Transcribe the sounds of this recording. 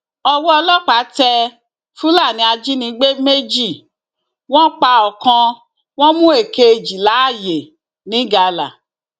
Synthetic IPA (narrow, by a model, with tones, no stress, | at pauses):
ɔ˧wɔ˦ɔ˧lɔ˦k͡pa˨˦tɛ˧ | fũ˦la˦˨nĩ˨˦a˧d͡ʒi˦nĩ˧˦ɡ͡be˦me˦d͡ʒi˦˨ | w̃ɔ̃˦k͡pa˧ɔ˨kã˧ | w̃ɔ̃˦mũ˦e˦˨ke˧e˨d͡ʒi˨la˨˦a˦˨je˨ | nĩ˨˦ɡa˧la̰˨